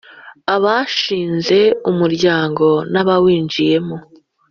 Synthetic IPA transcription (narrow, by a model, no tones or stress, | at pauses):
aβaʃiːnze̞umuɾɟaːŋɡo̞naβawiːnd͡ʒije̞mo